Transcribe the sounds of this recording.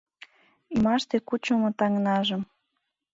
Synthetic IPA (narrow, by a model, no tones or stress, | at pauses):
imɑʃt̪ekut͡ɕŏmŏt̪ɑŋnɑʒəm